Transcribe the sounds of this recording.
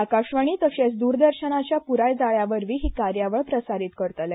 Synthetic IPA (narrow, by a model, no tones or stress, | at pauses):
akaɕʋəɳ̃iːt̪əɕesd̪uːɾd̪əɾɕənat͡ɕjapuɾajd͡zaɭjaʋəɾʋiːɦiːkaɾjaʋəɭpɾəsaɾiːt̪kəɾt̪əl